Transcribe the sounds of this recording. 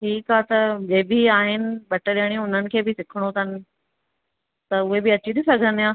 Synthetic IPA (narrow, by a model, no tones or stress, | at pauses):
ʈʰiːkaːt̪ɐd͡ʑeːbiaːɦɪnɪ̆ɓɐʈəɗiəɽ̃iʊn̤ənɪ̆kʰeːbɪsɪkʰəɽ̃ot̪ʰɐnɪ̆ | t̪ɐʊɦebɪɐt͡ɕit̪isɐɡʱə̃nijãː